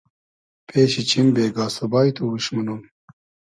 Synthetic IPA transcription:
pʰeːɕit͡ɕʰimbeːɡaːsɐbaːjt̪ʰuwuɕmɐnum

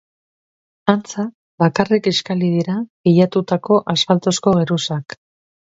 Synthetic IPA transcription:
ant͡sa | βakarekeskaliðiɾaɣejat̪ut̪ako̞ʔaspalt̪o̞sko̞ɣeɾusak

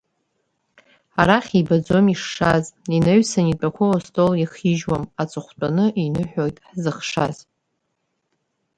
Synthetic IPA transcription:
aɾaχʲibad͡zo̞miʂːazineɥsanit͡pʼakʷʰalostʼoliχiʒwamat͡sʼɨχʷt͡pʷʼanɨʔinɨħʷᶣojtʼħzɨχʂa̰z̥

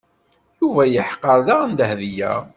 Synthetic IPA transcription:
juvæjəħqːəɾˤðaʁnd̪əhðijæ̰

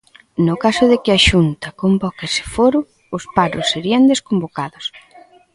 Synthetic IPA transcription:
nʊkasʊðɪkɪɐʃunt̪ɐkombɔkesɪ̥foɾʊː | spaɾʊsːeɾiɐnd̪eskombokaðʊs

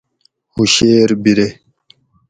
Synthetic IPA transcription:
huʃeːɾbiɾe

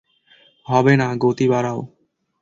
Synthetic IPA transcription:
ɦɔːbeːnaːɡoːt̪iːbaːɾaːo̰ː

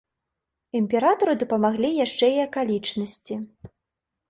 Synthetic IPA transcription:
imʲpʲɛɾat̪ɐɾɨd̪ɐpɐmaɣlʲijaʂt͡ʂɛiɐkalʲit͡ʂnɐsʲt͡sʲi

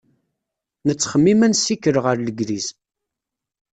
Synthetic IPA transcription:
nət͡sːχəmːimænsikəɾʁəɾləɡɾiz

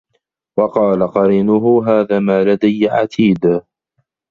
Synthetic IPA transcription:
wɑqɑːlaqɑɾiːnʊɦʊɦaːðaːmaːlad̪ajːaʕa̰t̪ʰiːd̪

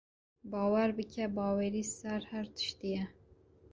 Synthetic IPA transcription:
bɑːwæɾbɨkʰɛbɑːwɛɾiːsæɾhæɾt̪ʰɨ̥ʃt̪ijɛ

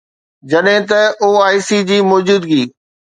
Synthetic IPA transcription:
d͡ʑɐɗɦɪ̃t̪ɐoːaːɪsid͡ʑiːmɔːd͡ʑuːd̪ɡiː

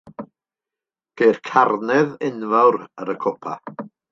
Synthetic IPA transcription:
ɡ̥erkʰarnɛðɪnvawɾəɾəkʰɔpʰa̰

